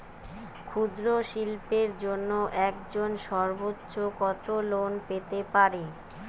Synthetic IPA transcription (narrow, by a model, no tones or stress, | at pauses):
kʰud̪ɾoʃilpeɾd͡ʑonːoʔɛkd͡ʑonʃɔɾbotːɕokɔt̪olonpet̪epaɾe